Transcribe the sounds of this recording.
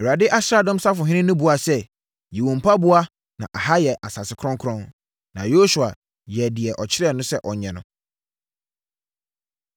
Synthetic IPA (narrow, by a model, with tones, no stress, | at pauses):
ɛ˨ɾa˨dɪ˦ʔa˦sɾa˦˨dɔ̃˦m˦sa˦fʊ˨ɦɪ̃˦nɪ̃˦nʊ̃˦bʊ˨a˨sɛ˦ | jɛ˨wɔ̃˨m˨pʰa˦bʊ˦a˦ | nã˨ʔa˨ha˦jɛ˨ʔa˨sa˨sɪ˨kʰɾɔ̃˦ŋkʰɾɔ̃˦n | nã˨jo˦su˨a˨ | jɛ˨dɪ˨ɛ˨ʔɔ˨t͡ɕʰɪ˦ɾɛ˦˨nʊ̃˦sɛ˦ʔɔ˨ɲɛ̃˨nʊ̃˨